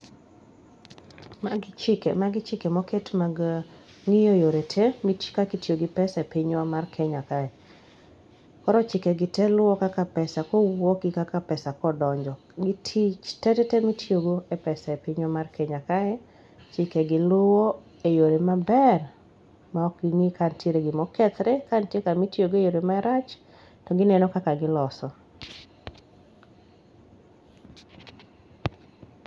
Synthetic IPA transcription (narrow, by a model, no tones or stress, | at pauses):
maɡt͡ʃɪkemaɡɪt͡ʃɪkemɔketmaɡ | ŋijojoɾetʰemikakitjoɡɪpɛsaepɪɲwɔmarkʰɛɲakaɛ | kɔɾɔt͡ʃɪkeɡɪtɛlʊɔkakapɛsakɔwɔkɪkakapɛsakɔdɔɲd͡ʒɔ | ɡɪtʰit͡ʃtɛtɛtɛmitjoɡoepɛsaepɪɲomarkeɲakaɛ | t͡ʃɪkeɡɪlʊwɔ | ejoɾemabɛr | maɔk̚ɡɪŋikanteɾeɡɪmɔkɛt̪ɾɛkantjekamitjoɡejoɾemaɾat͡ʃ | tɔɡɪnɛnɔkakaɡɪlɔsɔ